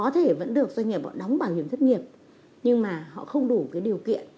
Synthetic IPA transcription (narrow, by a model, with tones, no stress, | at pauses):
ɔ˨˦t̪ʰe˧˩və̰˧˥nɗɨ˨˩ək̚zwa˧jŋ̟ŋi˨˩əp̚hɔ̰˧˨ɗɔ˨˦wŋ͡mɓaː˧˩whi˧˩əmzə˦˥t̚ŋi˨˩əp̚ | ɲɨ˧ŋmaː˨˩hɔ̰˧˨xə˧wŋ͡mɗu˧˩kaː˨˦jɗi˨˩əwkḭ˧˨ən